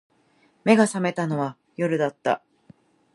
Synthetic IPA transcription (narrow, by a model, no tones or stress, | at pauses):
me̞ɡasame̞t̪ano̞βa | jo̞ɾɯ̟d̪at̪ːa̰